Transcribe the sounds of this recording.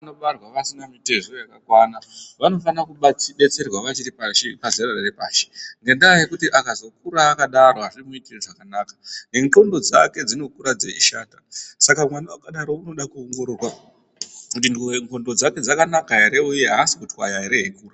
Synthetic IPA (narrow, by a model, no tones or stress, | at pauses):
noɓarwaʋasinamite̞ʐojakakwanaʋano̞fanakuɓaiɓe̞t͡se̞rwaʋat͡ʃiripaʃipazerararepaːʃi̥ŋɡe̞ndaajekutiʔakazo̞kuɾaːkaɗaɾo̞ɦaʐimuitieʐakanaːkḁŋɡeŋko̞ndo̞d͡zake̞d͡zino̞kuɾad͡zḛiʃaːtasakamwanawakaɗaɾo̞uno̞ɗakuoŋɡo̞ɾorwa | kutinŋko̞ndo̞d͡zake̞d͡zakanakaɦeɾe̞uje̞ɦaːsikutiwajaɦeɾe̞ɦekuːra